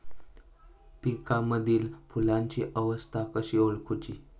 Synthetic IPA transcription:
pikaməd̪ʱiːlfulãɲt͡ɕiʔəʋəst̪ʰakəɕiolkʰut͡ɕiː

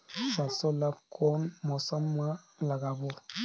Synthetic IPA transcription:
sasɔlakʰɔnmɔsama | laɡabu

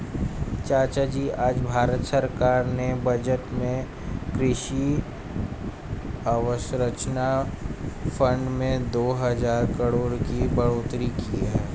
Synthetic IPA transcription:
t͡ʃaːt͡ʃad͡ʒiʔaːd͡ʒbʱaːɾət̪səɾkaːɾnebəd͡ʒəʈmẽ | kɾɪʃi | əʋəʃɾət͡ʃna | fə̃ɳɖmẽd̪oːɦəzaːɾkəɽoːɾkibəɽoːt̪ɾikiɦɛː

